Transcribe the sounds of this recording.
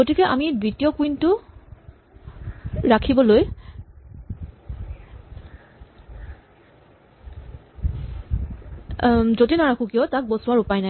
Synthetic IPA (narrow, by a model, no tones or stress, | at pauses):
ɡotikɛʔa̰mibɹitijɔkuintʊ | ɹakʰibɔloj | zotinaɹakukijɔtak̚bosʊwaɹupajnaj